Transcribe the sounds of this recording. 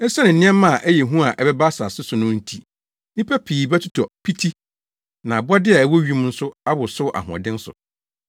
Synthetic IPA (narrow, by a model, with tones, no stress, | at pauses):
ɛ˦sɛ˦nɪ̃˨n̩˨nɪ̃˦ɛ̃˦mã˦˨ʔæ˦jɛ˨ɦũ˦a˨ʔɛ˨bɛ˦ba˦sa˨sɪ˦sʊ˨nʊ̃˦n̩˦tʰi˨ | ɪ˦pʰɛ˦pʰiː˨bɛ˦tʰu˦tʰɔ˨pʰi˦tʰi˦ | nã˨bɔ˦dɪ˦a˨æ˦wɔ˦ɥi˦m˦n̩˦sʊ˦a˦bʊ˨sʊ˦ʔa̰˨ɦʊ̃˨ɔ̰˨dɪ̃˦n̩˦sʊ̰˨